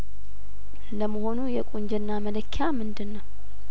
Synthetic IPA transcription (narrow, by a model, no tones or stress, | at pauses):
ləməho̞nujɛkʼoɲd͡ʒɛnːamələkʰːjamɨnd̪ɨnːəw